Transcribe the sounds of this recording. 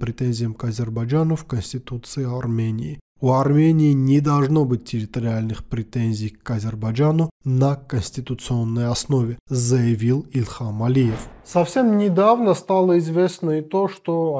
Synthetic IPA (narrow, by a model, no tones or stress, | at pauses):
pɾʲɪt̪enʲzʲɪjəmkɐzʲɪrbɐd͡ʒanʊfkənsʲtʲɪt̪ut̪sɨɪarmʲenʲɪ̰ː | uɐrmʲenʲɪːnʲɪd̪ɐlˠʐnobɨt̚ʲtʲːɪɾʲɪt̪əɾʲɪalʲnɨxpɾʲɪt̪enʲzʲɪjkɐzʲɪrbɐd͡ʒanʊnəkənʲsʲtʲɪt̪ʊt̪sɨonːəjɐsnovʲɪzəjɪvʲilˠɪlʲxamɐlʲijefsɐfsʲemnʲɪd̪avnəst̪alˠəɪzvʲesnəɪt̪oʂt̪o